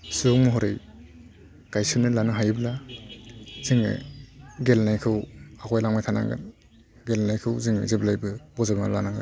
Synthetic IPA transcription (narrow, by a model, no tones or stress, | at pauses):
suŋmɔɦɔɾɯj | kajsunɯlanɯɦajbla | z̥iŋɯ̰ɡelnajkʰɯwakʰɔjlaŋmajtʰana̰ŋɡɯ̰n | ɡelnajkʰɯwziŋɯ̰zeblajbɯbɔzabmalanaŋla̰